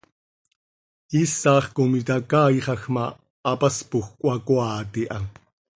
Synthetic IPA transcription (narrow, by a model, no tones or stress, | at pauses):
isaːχkomit̪akaːiχɑxmaː | paspuxkʷʼwɑkwaːt̪iʔaŋ